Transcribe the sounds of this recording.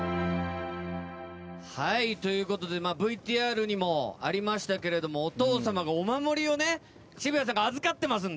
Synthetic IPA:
hait̪o̞jɯ̟ːko̞t̪o̞d̪e̞maːbɯ̟it̪iːaːɾɯ̟ɲ̟imo̞a̰ɾʲimaɕi̥t̪ake̞ɾe̞d̪o̞mo̞ːt̪o̞ːsamaɡaomamo̞ɾʲio̞ne̞ | ɕibɯjas̬ãŋɡaːzɨkat̪ːe̞mas̬ɨ̃n

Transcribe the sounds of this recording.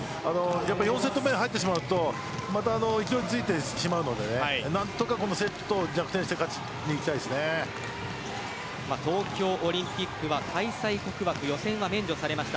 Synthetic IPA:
ano̞japːaijõs̬e̞t̪ːomẽɦait̪ːeɕ̬imaɯ̟t̪o̞ | mat̪aːno̞ikʲid̪oɾʲit͡sɨit̪e̞ɕimaɯ̟no̞d̪e̞nehainãnt̪o̞kako̞no̞se̞t̪ːo̥t̪o̞ɡʲakɯ̟̥ẽɕit̪e̞kat͡ɕi̥ | ɲiːkʲi̥t̪aiesɨne̞ | mat̪o̞ːkʲo̞ːʔoɾʲĩmpʲikːɯ̟βakʰaisaiko̞kɯ̟βbakɯ̟jo̞sẽ̞ɰ̃βamẽ̞ɲ̟d͡ʑo̞saɾe̞maɕi̥t̪a

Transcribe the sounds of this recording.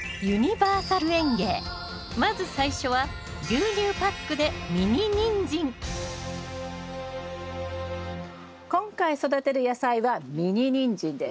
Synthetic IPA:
jɯɲ̟ibaːsaɾɯ̟ẽ̞ŋɡe̞ː | mazɨsaiɕo̞βa | ɡʲɨːɲʲɨːpakːɯ̟d̪e̞mʲiɲ̟iɲʲĩɲd͡ʑĩŋ | kõ̞ŋkaiso̞d̪at̪e̞ɾɯ̟jasaiβamʲiɲiɲ̟ĩɲd͡ʑĩnd̪e

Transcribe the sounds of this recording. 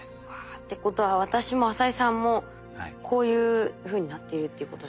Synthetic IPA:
a | t̪ːe̞ko̞t̪o̞βaβat̪aɕimo̞asaisãmːo̞ | kʰo̞ːjɯ̟ːɸɯ̟ːɲ̟inat̪ːe̞iɾɯ̟t̪ːeiɯ̟ko̞t̪o

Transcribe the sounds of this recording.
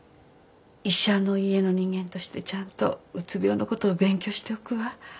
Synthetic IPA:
iɕano̞ie̞no̞ɲ̟ĩŋɡẽ̞nt̪o̞ɕi̥t̪e̞t͡ɕãnt̪o̞̰ɯt͡sɨbʲjo̞ːnoko̞t̪o̞ːbẽ̞ŋkʲo̞ɕi̥t̪e̞okɯ̟βa

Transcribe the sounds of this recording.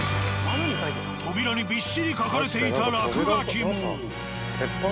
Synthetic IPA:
t̪ʰobiɾɔnibiʃːiɾikʰɔkʰoɾet̪ʰejt̪ʰaɾakʰeɾat͡ʃʰimu

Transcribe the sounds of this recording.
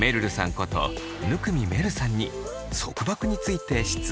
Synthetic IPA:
me̞ɾɯ̟ɾɯ̟sã̰ŋko̞t̪o̞̰ | nɯ̟kɯ̟mʲime̞ɾɯ̟sãɲ̟ːi | so̞̰kɯ̟bakɯ̟ɲ̟it͡sɨit̪e̞ɕi̥t͡sɨ

